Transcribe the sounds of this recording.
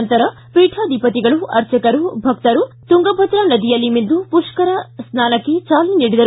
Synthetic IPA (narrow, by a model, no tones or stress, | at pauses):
nt̪ɐɾɐ | piːʈʰaːd̪ipɐt̪iɡɐɭuʔɐɾt͡ʃɐkɐɾubʱɐkt̪ɐɾut̪uŋɡɐbʱɐt̪ɾɐnɐd̪ijɐlːimind̪upuʂkɐɾɐsnaːnɐkːe̞t͡ʃaːliniːɽid̪ɐɾ